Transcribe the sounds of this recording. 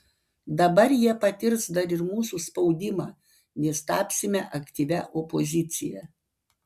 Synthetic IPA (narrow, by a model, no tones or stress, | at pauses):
d̪ɐbɐɾjiɛpɐt̪ʲɪɾsd̪ɐɾɪɾmuːsuːspɒʊd̪ʲɪmɑː | nʲɛst̪ɑːpʲsʲɪmʲɛʔɐkt̪ʲiːʋʲɛʔopozʲɪt̪sʲɪjɛ̰